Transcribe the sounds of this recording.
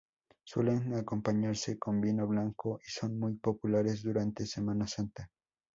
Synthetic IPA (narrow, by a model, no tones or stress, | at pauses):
sweleŋako̞mpaɲaɾsekombinoβlaŋkoʔisonmujpopulaɾez̬d̪uɾant̪esemanasant̪a